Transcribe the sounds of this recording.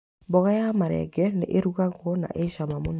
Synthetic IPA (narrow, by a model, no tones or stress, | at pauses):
bɔɣajamaɾɛ̰ɡɛnḛʔeɾuɣaɣwɔna̰ʔeʃamamon